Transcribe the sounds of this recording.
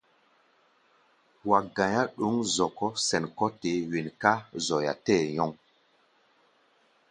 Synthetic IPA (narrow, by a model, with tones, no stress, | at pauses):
wa˨ɡã˨ja˦ɗu˨˦ŋzɔ˨kɔ˦sɛ˨nkɔ˦te˨˦wi˨nka˦zɔ˨ja̰˨tɛː˦˨jɔ˦ŋ